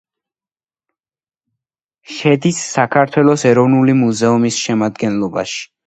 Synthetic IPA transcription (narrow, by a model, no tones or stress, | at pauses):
ʃɛd̪isːakʰaɾt̪ʰwɛlˠɔsɛɾɔvnulimuzɛumisʃɛmad̪ɡɛnlˠɔba̰ʃi̥